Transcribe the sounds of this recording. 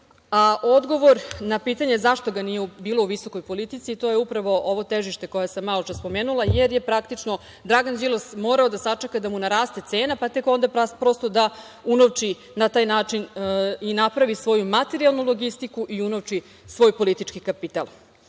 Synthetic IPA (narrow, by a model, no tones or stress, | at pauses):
aʔo̞d̪ɡo̞ʋo̞ɾnapiːt̪aɲe̞zaʃt̪o̞ɡanijeubiːlˠo̞uʋiso̞ko̞jpo̞lit̪it̪sit̪o̞ːje̞upɾaʋo̞ʔoʋo̞t̪eʒiʃt̪e̞ko̞jasamːalot͡ʃaspo̞meːnulˠajeɾje̞pɾakt̪it͡ʂno̞ | d̪ɾaɡand͡ʑilosmo̞ːɾaod̪asat͡ʂekad̪amunaɾaːst̪et̪se̞ːnapat̪e̞ko̞nd̪appɾo̞st̪o̞d̪a | unoʋt͡ʃiː | at̪aːjnaːt͡ʂininapɾaʋisʋo̞jumat̪e̞ɾialˠnulˠo̞ɡist̪ikuʔiunoʋt͡ʂi | sʋo̞ːjpo̞lit̪it͡ʂkikapit̪alˠ